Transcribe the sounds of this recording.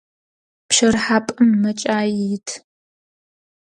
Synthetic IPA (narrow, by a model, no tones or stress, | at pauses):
pʃɐrħaːpʼɨmːɐt͡ʃʼaːjitʰ